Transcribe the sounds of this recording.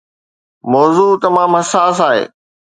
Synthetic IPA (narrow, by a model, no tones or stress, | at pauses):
mɔːzuːt̪ɐmãːmɦɐsaːs̬aːɦḛː